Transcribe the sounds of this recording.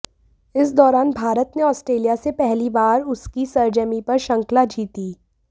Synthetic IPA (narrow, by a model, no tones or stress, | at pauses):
ɪsd̪ɔːɾaːnbʱaːɾət̪neɔːsʈɾeːlijasepɛɦlibaːɾʊskisɐɾd͡ʒəmipɐɾʃɐ̃ŋklad͡ʒiːt̪iː